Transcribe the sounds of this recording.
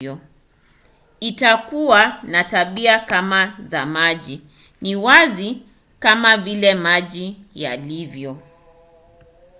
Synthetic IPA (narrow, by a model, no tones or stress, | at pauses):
ɔ | itakuwanataɓiakamazamaʄi | niwazi | kamavilɛmaʄija̰livjɔ